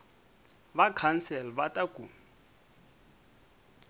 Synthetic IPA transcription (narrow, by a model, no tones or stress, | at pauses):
bakʰansɛlbatʼakʼu